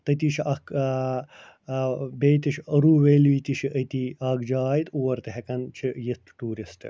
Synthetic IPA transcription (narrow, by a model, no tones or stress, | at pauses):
t̪ɐt̪iːt͡ʃʰiʔɐk | beːt̪iʃʰɐɾuːʋeːlit̪it͡ʃʰiʔɐt̪iːɐːɡd͡ʒaːjt̪uʋɐɾt̪eɦɐkɐnt͡ʃʰijit̪ʈuːɾisʈɨ̰